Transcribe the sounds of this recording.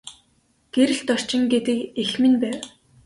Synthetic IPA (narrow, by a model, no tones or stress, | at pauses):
ɡ̥eɾɘ̆ɮt̪ɔr̥t͡ɕɪ̆ŋɡet̪ɘ̆kexmɘ̆npæːw